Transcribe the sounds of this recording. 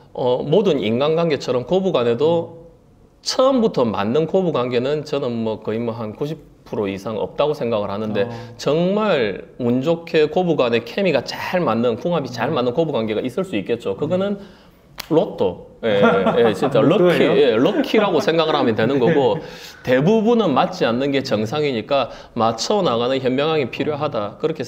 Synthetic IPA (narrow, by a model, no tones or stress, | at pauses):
ʌmodɯnḭnɡanɡwaŋɡe̞t͡ɕʰʌɾʌmkobuɡwane̞do | t͡ɕʰʌmbutʰʌma̰nːɯnkobuɡwaŋɡe̞nɯnt͡ɕʌnɯnmʌkʌimʌɦankuɕʰip | pʰɯɾoisʰaŋʌ̰p̚t͈aɡosʰe̞ŋɡaɡɯɭhanɯnde̞t͡ɕʌŋmaɾmund͡ʑokʰe̞kobuɡwane̞kʰe̞miɡat͡ɕaɭmanːɯnkuŋɦabit͡ɕaɭmanːɯnkobuɡwanɡe̞ɡais͈ɯɭs͈uik͈e̞t̚t͡ɕ͈okɯɡʌnɯn | ɾotʰojeje̞t͡ɕint͡ɕ͈aɾʌkʰijeɾʌkʰiɾaɡosʰe̞ŋɡaɡɯɭhamjʌntwe̞nɯnɡʌɡote̞bubunɯnmat̚t͡ɕ͈ianːɯnɡe̞t͡ɕʌŋsʰaŋiɲik͈a | mat͡ɕʰʌnaɡanɯnçjʌnmjʌŋɦaŋipʰiɾjoɦadakɯɾʌkʰe